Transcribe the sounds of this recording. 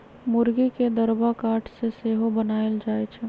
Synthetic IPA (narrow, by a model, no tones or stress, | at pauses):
mʊɾɡiked̪əɾbakaːʈʰseseːɦobənaːeld͡ʒaːet͡ʃʰɛ